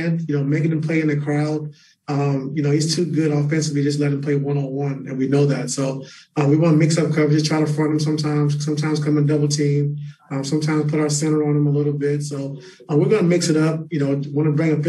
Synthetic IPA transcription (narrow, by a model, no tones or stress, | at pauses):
ndjɨnoʊmeɪkɪ̃ŋɨm̩pʰl̥eɪɨ̃nɨkʰɹ̥aʊd̥̚ | ʌ̃mjɨnoʊistʰʉɡʊɾfɛ̃nsɨvlid͡ʒʌs̬tˡlɛɾɨ̃mpʰl̥eɪwʌ̃noʊwʌ̃nɨ̰̃nwinoʊðætsoʊʌ̃wiwɑnəmɪksʌp̚kʰʌd͡ʒʌstʰaɪɾəfɹʌ̃nɨ̃m̩sʌ̃mtʰãɪ̃mz̥sʌ̃mtʰãɪ̃m̥z̥kʰʌ̃mɨ̃ndʌbl̩ˠtʰĩmʌ̃msʌ̃mtʰãɪ̃mz̥pʰʊɾaʊə˞sɛ̃ɾ̃ə˞ə̃nə̃məlɪɾl̩ˠbɪtsoʊ | ʌ̃wɨɹɡʌnəmɪksɨɾʌp̚jɨnoʊwɑ̃nəbɹɪ̃ŋɨ̃fɪ